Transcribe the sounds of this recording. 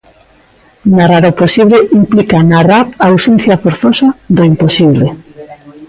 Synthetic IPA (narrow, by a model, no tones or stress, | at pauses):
naraɾoposiβleʔimplikanarapaːwsen̟θjɐfoɾθosaðoimposiβle